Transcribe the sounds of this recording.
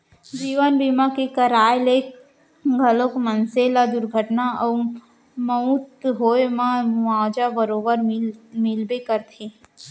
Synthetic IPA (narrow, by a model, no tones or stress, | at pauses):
d͡ʒiːʋənbimakekəɾaːjlek | ɡʱəlokmənselad̪ʊɾɡʱəʈnaɔ | məũt̪ɦoːemãʋaːd͡ʒabəɾoːbəɾmɪlbekəɾt̪ʰi